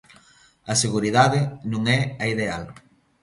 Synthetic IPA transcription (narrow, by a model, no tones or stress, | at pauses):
ɐseɣuɾiðaðɪnũŋɛɐiðeal